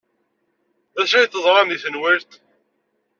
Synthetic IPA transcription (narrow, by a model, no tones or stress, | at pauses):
æʃæjt̪ːəðˤɾˤɑmiθənwɪɾt̪